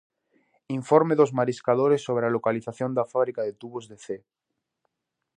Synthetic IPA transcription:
iɱfoɾmeðozmaɾiskaðoɾesːoβ̞ɾealokaliθaθjo̞nd̪afaβɾikaðet̪uβozðeθe

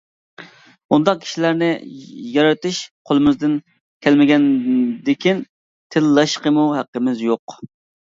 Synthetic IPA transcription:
und̪ɑq̚kʲʰi̥ʃilæɾnɪjɑɾɑt̪ʰɨʃqʰolˠɨmɪzd̪ɪn | kʲʰɛlmɪɡʲɛnd̪ɪkʲʰin | t̪ʰɪlːɑʃqəmuɦæqːəmɪzjoq

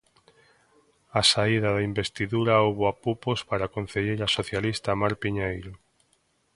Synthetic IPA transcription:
asaiðaðaimbest̪iðuɾaowβoapupospaɾakon̟θeʎeɾasoθjalist̪amaɾpiɲajɾo

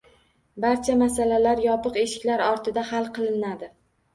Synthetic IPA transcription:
baɾt͡ʃʰamasalalaɾjɒpɨqe̞ʃɪ̥kʲlaɾɒɾt̪ʰɪd̪ahalˠqʰɨlˠɪnad̪ɪ

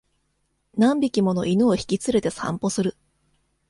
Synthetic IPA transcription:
nãmbʲikʲimo̞no̞ʔinɯoçi̥kʲit͡sɨɾe̞t̪e̞sã̰mpo̞sɨɾɯ̟

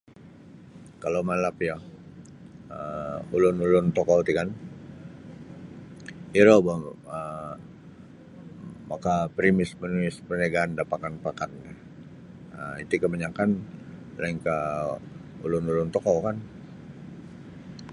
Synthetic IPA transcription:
kalowmalapja | əulʊnulʊnt̪ɔkot̪ikan | iɾobaə | makapɾimɪspərimɪspərnaɡaːndapakanpakat̪̚dɛ | əit̪ukəməɲakan | laiŋkə | ṵlʊnulʊnt̪ɔkɔkan

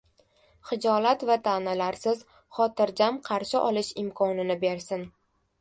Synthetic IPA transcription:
χɪd͡ʒɒlat̪vat̪ʰanalaɾsɪz | χɒt̪ɪɾd͡ʒamqʰɑɾʃɪʔɒlɪʃɪmkʰɒnɪnɪbe̞ɾsɪn

